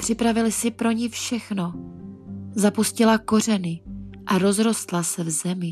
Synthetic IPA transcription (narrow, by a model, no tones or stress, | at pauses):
pr̥ɪpɾavɪlɪsɪpɾo̞ɲɪfʃɛxno̞ | zapuscɪlako̞r̝ɛnɪʔaɾo̞zɾo̞st̪lasɛvzɛmɪ